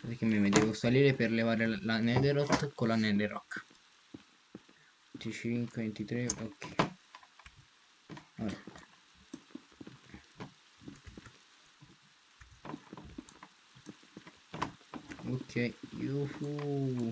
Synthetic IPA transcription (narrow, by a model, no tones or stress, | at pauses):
pek̟ːemːemed̪ɛvosaliːɾeperlevaːɾelanɛɡ̪eɾɔt̪kolanɛd̪eɾɔkː | nt̪it͡ʃiŋkwevent̪it̪ɾeokʰːɛ | al | okʰːɛjḭofu